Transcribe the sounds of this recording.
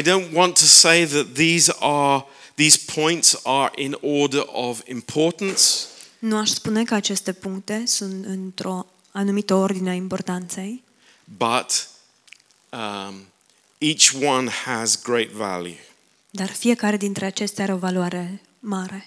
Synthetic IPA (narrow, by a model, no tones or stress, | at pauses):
aɪdõʊ̃nʔwɑ̃ntʰəseɪðət̪̚ðizə | ðiz̥pʰɔ̃ɪ̃ntsə˞ʔɪ̃nɔɹdə˞ʔʌvɪ̰̃mpʰɔɹʔn̩snuaʃspune̞kəat͡ʃe̞st̪e̞puŋk̚t̪e̞sunt̪ɨnt̪ɾo̞ | anumit̪əo̞rd̪ineaimpo̞rt̪ant̪se̞j | bʌt | it͡ʃwʌ̃nəzɡɹeɪtvæ̰lˠjʉ̰ | d̪arfije̞kaɾe̞d̪int̪ɾe̞at͡ʃe̞st̪eaɾeo̞valuaɾe̞ | maɾe̞